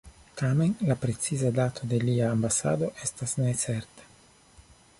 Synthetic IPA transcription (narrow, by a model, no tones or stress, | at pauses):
tame̞nlapɾe̞t͡sizadat̪ʰo̞de̞liaːmbasa̰do̞ʔe̞stasnet͡se̞ɾtḁ